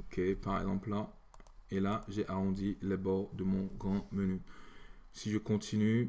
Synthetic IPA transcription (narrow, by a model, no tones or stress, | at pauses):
okʰepaʁɛ̰ɡzɑ̃pla | elaʒeʔaʁɔ̃d̪ilɛbɔʁd̪əmɔ̃ɡʁɑ̃məny | siʒəkɔ̃t̪ʰiny